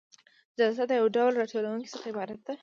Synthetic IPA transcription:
zalzad̪əjawɖawlɾɑʈolawuŋki̥səχaɪbɑɾat̪̚d̪a

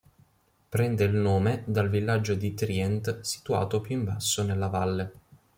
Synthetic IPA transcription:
pɾɛnd̪eilnoːmed̪alvilːad͡ʒːod̪it̪ɾiɛnt̪si̥t̪ua̰ːt̪opjuiɱba̰sːonelːavalːe

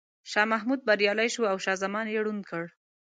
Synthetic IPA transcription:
ʃɑmaɦmud̪̚baɾjɑlajʃuawʃɑzamɑnjeɽund̪kəɽ

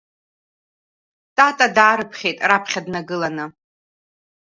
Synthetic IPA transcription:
tʼatʼadaːɾɨpʰχʲe̞jtʼrapʰχʲadnaɡɨlanɨ

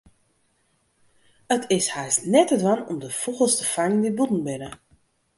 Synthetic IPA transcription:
ətʰɪshajsnɛtətʋanɔ̰mdəfuɣəlˠstəfaŋndibutn̩bɪnə

